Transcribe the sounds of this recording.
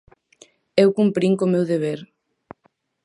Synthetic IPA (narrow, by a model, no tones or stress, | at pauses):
ewkumpɾiŋkomewðeβeɾ